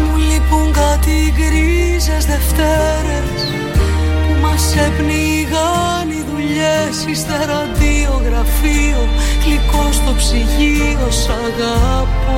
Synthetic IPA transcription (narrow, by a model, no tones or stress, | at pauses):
mulipuŋɡɐt̪iɣɾizezðe̞ft̪eɾes | pumɐsepniɣɐ | niðuʎesist̪eɾɐnd̪ioɣɾɐfioklikost̪opsiʝiosɐɣɐpo